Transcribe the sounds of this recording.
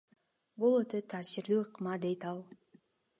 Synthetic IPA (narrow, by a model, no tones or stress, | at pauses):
bulˠøt̪øt̪ʰːaːsiɾd̪yːɯqmɑd̪e̞jt̪ɑlˠ